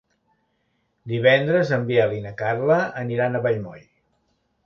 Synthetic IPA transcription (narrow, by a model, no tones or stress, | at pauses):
d̪iβɛnd̪ɾəzəmbialinəkarləːniɾanəβəʎmo̰ʎ